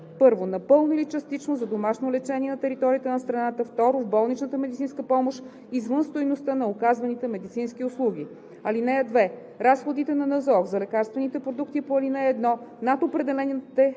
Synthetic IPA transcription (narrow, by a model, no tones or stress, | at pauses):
pɤɾvonɐpɤlˠnilit͡ʃɐst̪it͡ʃnozɐd̪omaʃnolɛt͡ʃɛniɛnɐt̪ɛɾit̪ɔɾiət̪ənɐst̪ɾɐnat̪əft̪ɔɾovbɔlˠnit͡ʃnət̪əmɛd̪it̪sinskəpɔmoʃ | izvənst̪ojnost̪ənɐokazvɐnit̪ɛmɛd̪it̪sinsk̟iʊslˠuɡ̟ʲi | ɐlinɛjɐd̪vɛ | ɾasxod̪it̪ɛnɐnɐzɔkzɐlɛkaɾst̪vɛnit̪ɛpɾod̪ukt̪ipoɐlinɛɛd̪nɔnat̪opɾɛd̪ɛlɛnt̪ɛ